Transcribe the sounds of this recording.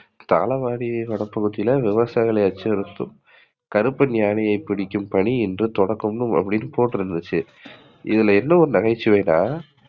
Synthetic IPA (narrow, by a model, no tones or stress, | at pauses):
t̪a̰ːlɐʋaːɽiɐʋɐɽɐpːɐɣɯt̪ːɪjɪlɐʋɪʋɐsaːɣɐɭɐɪɐt͡ʃːɐɐɾɯt̪ːɯm | kɐɾɯpːɯnjaːnɐjɐɪpːɪɽɪkʲːɯmpɐɳiɛndrɯt̪ɔɽɐkːɯmnɯmɐ̰pːɐɽɪnːɯpoːʈːɯɾɪnd̪ɯt͡ʃːɯ | ʔɪ̰ðɪlɐɛnːɐɔɾɯnɐɣɐɪt͡ʃːɯʋeːnaː